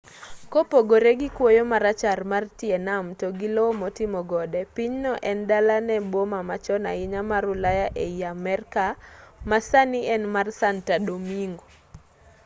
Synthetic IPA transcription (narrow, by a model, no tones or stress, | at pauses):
kopoɡoɾeɡikwojɔmaɾat͡ʃarmartiɛnamtɔɡilɔmɔtimɔɡɔdɛpiɲnɔʔɛndalanɛbomamat͡ʃɔna̰ɪɲamaɾʊlajaʔeiamɛrkamasaniɛnmarsantadomiŋɡo